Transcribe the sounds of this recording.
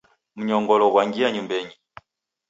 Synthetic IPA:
m̩ɲɔŋɡɔlɔɣwaŋɡiaɲumbɛɲi

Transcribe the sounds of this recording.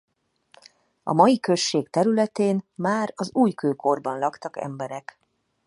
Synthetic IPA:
ɒ̰mɒjikø̞ʃːeːkt̪ɛɾylɛt̪eːnmaːɾɒzuːjkøːkʰo̞rbɒnlɒkt̪ɒkɛ̰mbɛɾɛk

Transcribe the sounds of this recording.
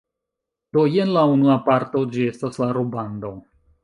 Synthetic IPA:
d̥o̞jenlaunuapaɾto̞d͡ʒie̞staslaɾobando̞

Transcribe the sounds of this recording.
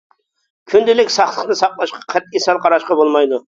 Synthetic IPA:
kʲʰynd̪ɪlɪkʲsɑχlˠəqnɨsɑqlˠɑʃqɑqʰɛt̪esɑlˠqʰɑɾɑʃqɑbolˠmɑjd̪u

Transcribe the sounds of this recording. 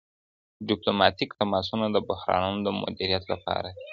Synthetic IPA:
ɖiplomɑt̪ikt̪amɑs̬unad̪əbʊhɾɑ̰nunod̪əmʊ̰d̪iɾijat̪lapɑ̰ɾai

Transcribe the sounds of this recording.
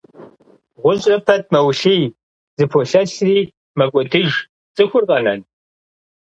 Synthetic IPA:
ʁʷʊɕʼɐpʰɐt̚ʰmɐwɬij | zɨpʰoɬɐɬriː | mɐkʷʼɔdʰɨʒ | t͡sʼɨxʷʊrqʼɐnɐ̰n

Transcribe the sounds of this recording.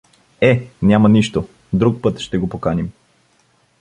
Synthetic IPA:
ɛnʲamɐniʃt̪o | d̪ɾuk̚pɤt̪ʃt̪ɛɡopokanim

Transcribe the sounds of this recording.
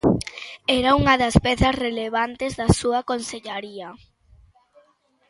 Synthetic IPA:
ɛɾauŋɐðɐspɛθɐsreleβ̞ant̪ezðasuɐkonseʎaɾiɐ

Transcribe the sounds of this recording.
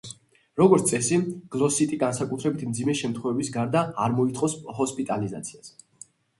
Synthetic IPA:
ɾɔɡɔɾt̪sʼɛsiɡ̥lˠɔsit̪ʼiɡansakʼut̪ʰɾɛbit̪ʰmd̪zimɛʃɛmt̪ʰχwɛvɛbisɡaɾd̪aːɾmɔit̪ʰʼχʼɔsɦɔspʼit̪ʼaliza̰t̪sʰias

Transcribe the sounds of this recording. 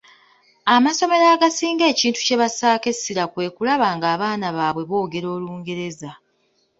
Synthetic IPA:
amaso̞me̞ɾaːɡasiːŋɡe̞ːciːntu̥ce̞βasaːke̞siɾakwe̞ːkulaβaːŋɡaːβaːnaβaːβwe̞βo̞ːɡe̞ɾo̞ːluːŋɡe̞ɾe̞za

